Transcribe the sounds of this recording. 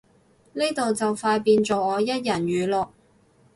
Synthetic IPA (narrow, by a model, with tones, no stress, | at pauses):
ni˥jt̪o˨wt͡sɐ˨wfaː˧jpiː˧nt͡so˨wŋɔː˨˧jɐ˥t̚jɐ˨˩nɥyː˨˧lɔː˨˩k̚